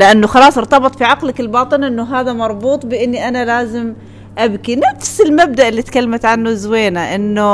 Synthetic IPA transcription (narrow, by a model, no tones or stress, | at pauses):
lɪʔanːʊxɑlɑːsˤʔɨɾt̪ɑbɨt̪ˤfiʕɑqlakɪlbɑːt̪ˤɨnʔɪnːʊɦaːðamɑɾˤbuːt̪ˤbɪʔɪnːiʔanalaːzɪm | ʔabkinafsɪlmab̚d̪aʔɪlːiːt̪kalːamat̪ʕanːuzweːnaʔɪnːʊ